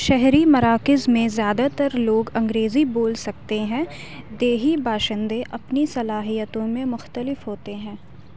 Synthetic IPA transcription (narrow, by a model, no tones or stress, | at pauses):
ʃɛɦɾimɐɾaːkɪzmẽzjaːd̪at̪ɐɾloːɡɐ̃ŋɡɾeːziboːlsɐk̚t̪eɦɛ̃ː | d̪eːɦibaːʃɪ̃nd̪eʔɐpnisɐlaːɦijət̪õmẽmʊxt̪əlɪfɦoːt̪eɦɛ̃ː